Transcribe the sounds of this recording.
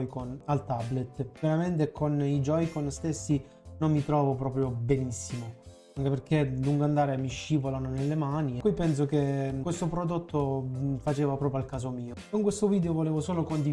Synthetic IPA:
jkonalt̪ablet̪ːveɾament̪̬ekonid͡ʒɔjkonst̪esːi | nomːit̪ɾɔːvopɾɔːpɾjobenisːimo | aŋkeperk̟ːeluŋɡand̪aːɾemiʃːiːvolanonelːemaːnikuijpːɛns̬okewest̪opɾod̪ot̪ʰːofat͡ʃeːvapɾɔːpɾjoalkaːzomiːokoŋkwest̪oviːd̪eovoleːvosoːlokond̪i

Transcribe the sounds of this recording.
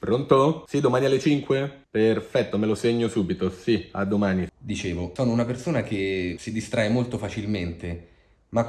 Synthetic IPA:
pɾont̪osid̪omaːnialːet͡ʃiŋkweperfɛt̪ːomeloseɲːosuːbit̪osia̰d̪ːomaːnid̪it͡ʃeːvosoːnounapersoːnak̟esid̪ist̪ɾaemolt̪ofat͡ʃilment̪e | ma

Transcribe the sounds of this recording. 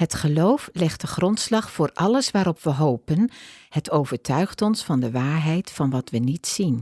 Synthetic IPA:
ɦətχəlowflɛχt̚dəχrɔntslɑχfʊːɹɑləsʋaːɾɔpʋəɦowpənhətowvəɹtʰœɥχtɔnsfɑndəʋaːɹɦɛjtfɑnʋɑtʋənitsin

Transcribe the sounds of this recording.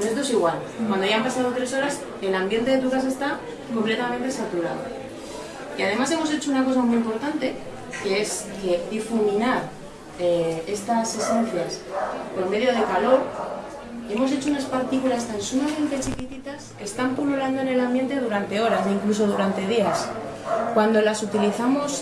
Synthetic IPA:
et̪oe̞siɣwal | wand̪oaʝjampasaðo̞t̪ɾe̞so̞ɾas | elambje̞nt̪e̞ðe̞t̪̬ukas̬aest̪a | ko̞mple̞t̪amẽnt̪e̞sat̪uɾaðo | iaðe̞mas̬e̞mo̞s̬e̞t͡ʃounako̞s̬amujimpo̞ɾt̪ant̪e̞ | ke̞e̞s | ke̞d̪ifumĩnaɾ | ee̞st̪ase̞se̞n̟θjaspo̞ɾme̞ðjo̞ð̞e̞kalo̞ɾ | iemo̞se̞t͡ʃo̞unaspaɾt̪ikulast̪ansumamẽ̞nt̪e̞t͡ʃikit̪it̪ase̞st̪ampululand̪oene̞lambje̞nt̪e̞ðuɾant̪e̞o̞ɾas̬iŋklus̬o̞ðuɾant̪e̞ðias | kwand̪o̞lasut̪iliθamo̞s

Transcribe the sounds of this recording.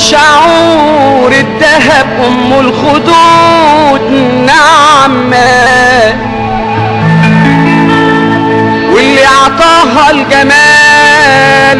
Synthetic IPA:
ʃʊʕuːɾɪd̪ːaɦab̚ʔʊmːʊlxʊd̪uːd̪ | naʕmːa | wɪlːiʕɑt̪ˤɑːɦalɡamæː | l

